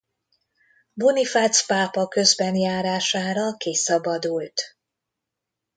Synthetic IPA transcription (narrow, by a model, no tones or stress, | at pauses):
bunifat̪spaːpɒkø̞zbɛnjaːɾaːʃaːɾɒkeːsɒbɒd̪ult̪